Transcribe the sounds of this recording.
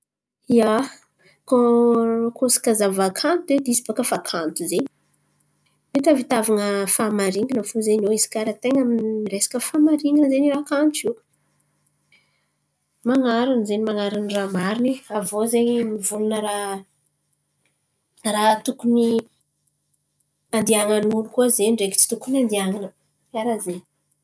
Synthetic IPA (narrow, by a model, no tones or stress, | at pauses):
ia | ko | kʰosḁkəzavakʰant̪ed̪isi̥pakəfakʰant̪uzeɲ | wet̪avit̪avaŋəfamaɾiŋɡinəfuzeɲoisi̥kaɾat̪eŋaminiresḁkəfamaɾiŋɡinzenirakant͡ʃi | maŋaɾanzenimaŋaɾaniramaɾiniavozeɲmivulunəɾa | rat̪ukuni | and̪iaŋanulukuəzeniɳɖ͡ʐeki̥t͡si̥t̪ukunand̪iaŋanə | jaɾazeni